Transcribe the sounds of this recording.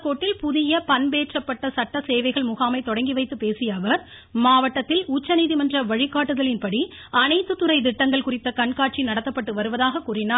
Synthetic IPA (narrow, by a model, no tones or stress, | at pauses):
kːoːʈːɪlpʊðɪjɐpɐnbeːʈrɐpːɐʈːɐsɐʈːɐseːʋɐɪɣɐɭmʊɣaːmɐɪt̪ɔɽɐŋɡiʋɐɪt̪ːɯpeːsɪjɐʋɐɾ | maːʋɐʈːɐt̪ːɪlut͡ʃːɐniːðimɐndrɐʋɐɻɪkːaːʈːɯðɐɭɪnpɐɽi | ɐnɐɪt̪ːɯt̪ːɯrɐɪd̪ɪʈːɐŋɡɐɭkʊrɪt̪ːɐkɐɳkaːʈ̚t͡ʃinɐɽɐt̪ːɐpːɐʈːɯʋɐɾɯʋɐðaːɣɐkuːrɪnaː